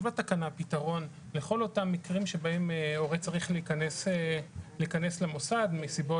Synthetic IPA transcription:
vatakanapitaʁo̞n | leχo̞lo̞tamːikʁimʃebaemeoʁet͡saʁiχleikaneseleikane̞slemo̞sad̪misibo

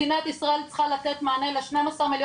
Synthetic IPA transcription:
inaet̪isʁae̞lt͡sχalatet̪maːnelaʃnemasaʁmiljo

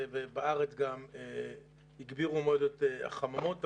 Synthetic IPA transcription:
vebaaʁet͡sɡame | hiɡbiʁumeod̪et̪ea̰χamamo̞t̪

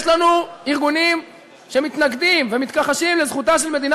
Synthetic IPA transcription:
ʃlanuiʁɡunim | ʃe̞mit̪naɡd̪imvemit̪kaχaʃimlezχut̪aʃelme̞d̪ina

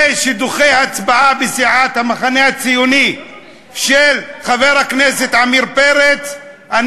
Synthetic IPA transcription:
ʃid̪uχejhat͡sbaabesiʕat̪hamaχanehat͡sijuni | ʃelχaveʁhakneset̪ʕamiɾpeɾet͡s | ʔan

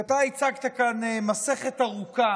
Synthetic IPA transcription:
at̪ait͡saɡt̪akanmaseχe̞t̪aʁuka

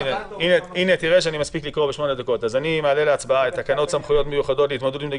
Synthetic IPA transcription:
neineine̞t̪iʁeʃ̬eanimaspiklikʁo̞beʃmo̞nedako̞tazanimeale̞leat͡sbaaet̪akano̞tsamχujo̞tmejuχado̞tlit̪mod̪ulimdaɡ

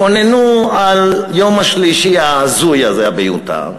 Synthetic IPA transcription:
onenualjomaʃliʃiaːzujazeabejṵt̪a̰

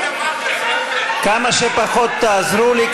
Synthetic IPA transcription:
kamɐʃepaxod̪̚t̪ːaːzɾulik

